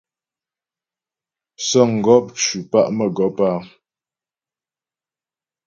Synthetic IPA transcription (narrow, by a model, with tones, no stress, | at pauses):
sɔ˦˨ŋ̩˨ɡɔ˦p̚t͡ʃʉ˨pa̰˦ʔmə˨ɡɔ˨˦pa˦˨